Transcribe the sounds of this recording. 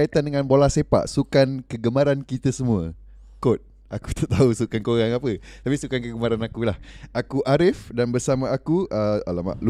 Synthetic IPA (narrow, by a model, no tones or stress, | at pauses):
ait̪andəŋãnbolasepa̰ʔsukankəɡəmãɾankit̪əsəmũə | kot̪̚ | ʔaku̥t̪aʔt̪ausukankoɾaŋapət̪apisukankəɡəmaɾanakulahʔakuʔaɾɪfdanbərsamãakuʔəalama̰ʔl